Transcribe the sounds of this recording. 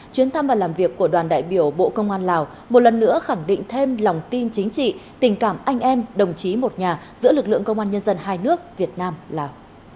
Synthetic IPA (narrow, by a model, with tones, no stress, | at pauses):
t͡ɕwi˨˦ənt̪ʰa˧mvaː˨˩laː˨˩mvi˨˩əkːu˧˩əɗwaː˨˩nɗa̰ː˧˨jɓi˧˩əwɓo̰˧˨kə˧wŋ͡mʔaː˧nlaː˨˩w | mo˨˩t̚lə˨˩nːɨ̰˧˥əxa˧˩ŋɗḭ̈˧˨ŋ̟t̪ʰe˧mla˨˩wŋ͡mt̪i˧nt͡ɕï˨˦ŋ̟t͡ɕḭ˧˨t̪ï˨˩ŋ̟kaː˧˩mʔa˧jŋ̟ʔɛ˧mɗə˨˩wŋ͡mt͡ɕi˨˦mo˨˩t̚ɲaː˨˩ | zɨ̰˧˥əlɨ˨˩k̚lɨ̰˧˨əŋkə˧wŋ͡mʔaː˧nɲə˧nzə˧nɦaː˧jnɨ˦˥ək̚vi˨˩ət̚naː˧mlaː˨˩w